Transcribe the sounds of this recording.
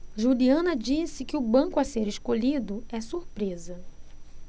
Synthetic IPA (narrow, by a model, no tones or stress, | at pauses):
ʒuliɐ̃nɐd͡ʒisɪkɪʊbɐ̃ŋkʊaseɾeʃkoʎid̪ʊɛsuɾpɾezɐ